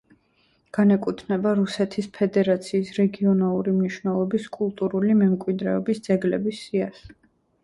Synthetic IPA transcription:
ɡ̥anɛkʼit̪ʰnɛbaɾusɛt̪ʰispʰɛd̪ɛɾat̪sʰiːsɾɛɡiɔnalˠuɾimniʃvnɛlˠɔbiskʼulˠt̪ʼuɾulimɛmkʼwid̪ɾɛɔbisd̪z̥ɛɡlɛ̰bisːias

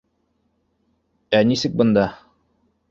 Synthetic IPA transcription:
ænisɘk̚bɤ̆nd̪ɑ

